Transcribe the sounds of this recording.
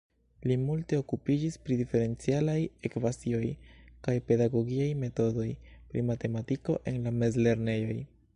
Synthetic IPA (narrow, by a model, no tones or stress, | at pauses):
limulte̞o̞kupid͡ʒispɾidife̞ɾe̞nt͡sialaje̞kvasio̞jkajpe̞daɡo̞ɡiajme̞to̞do̞jpɾḭmate̞matiko̞ʔe̞nlame̞zle̞ɾne̞jo̞j